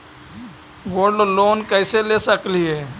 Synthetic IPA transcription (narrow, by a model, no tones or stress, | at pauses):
woːɾɖloːnkɛɪselesəkliɦɛː